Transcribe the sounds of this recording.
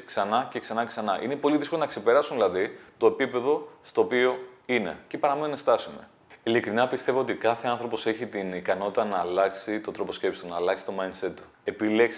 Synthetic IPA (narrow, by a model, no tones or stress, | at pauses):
ksɐnɐce̞ksɐnɐcesɐnɐʔine̞po̞liðiskolonɐkse̞pe̞ɾɐsunðilɐðit̪oepipe̞ðo̞st̪o̞ːpio̞ine̞̰ce̞pɐɾɐmenunest̪ɐsume̞̰ | ilikɾinɐpist̪e̞voot̪ikɐθe̞ɐnθɾo̞po̞se̞çit̪inikɐno̞t̪it̪ɐnɐːlɐksit̪o̞t̪ɾo̞po̞scepst̪unɐːlɐksi̥t̪o̞mɐind̪se̞t̪ːu̥ | e̞pile̞ks